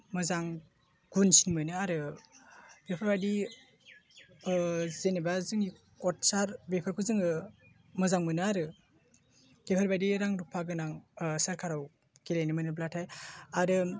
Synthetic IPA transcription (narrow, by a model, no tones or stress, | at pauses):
mɯzaŋ | ɡ̥unsiŋmɯnɯaɾɯ | ɡ̥epʰaɾbajdi | zenebazɯŋi | kɔt̚saɾbepʰaɾkʰɯzɯŋɯ | mɯzaŋmɯnɯaɾɯ | ɡ̥epʰaɾbajdiɾaŋɾupʰaɡɯnaŋsaɾkʰaɾaw | kelajnɯmɯnɯblatʰajaɾɯ